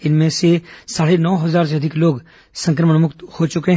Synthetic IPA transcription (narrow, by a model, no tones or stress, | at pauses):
ɪnmẽsesaːɽenɔːɦɐzaːɾseɐd̪ʱɪkloːɡ | sə̃ŋkɾəməɳmʊkt̪hot͡ʃʊkeɦ